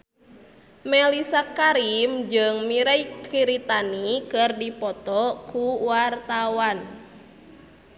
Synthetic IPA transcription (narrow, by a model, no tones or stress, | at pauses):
mɛlisakaɾimd͡ʒɨŋmiɾaikiɾit̪anikɨrdipɔt̪ɔkuwart̪awan